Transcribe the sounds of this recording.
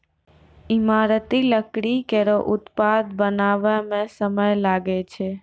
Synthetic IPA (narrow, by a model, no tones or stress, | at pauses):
imaɾət̪iləkɽikeɾoʔʊt̪pad̪bənaʋəmẽsəməjlaɡet͡ʃʰe